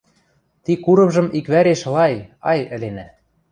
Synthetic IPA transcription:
t̪ikuɾɤ̆mʒɤ̆mʔikβæɾeʃlɑjɑ̰jɘ̆lenæ

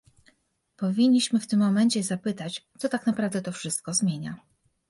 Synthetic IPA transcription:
pɔvʲiɲʲːiɕmɘft̪ɘmːɔmɛɲt͡ɕɛzapɘt̪at͡ɕt̪sɔt̪aknapɾavd̪ɛt̪ɔfʂɘst̪̚kɔzmʲjeɲa̰

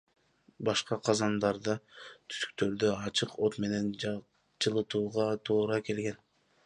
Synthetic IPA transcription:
bɑʃqɑqʰɑzɑnd̪ɑɾd̪ɑt̪ʰy̥sy̥k̚t̪ø̞ɾd̪øɑt͡ʃɯqo̞t̪me̞ne̞n | t͡ʃɯlˠɯt̪uːʁɑt̪ʰuːɾɑke̞lɡe̞n

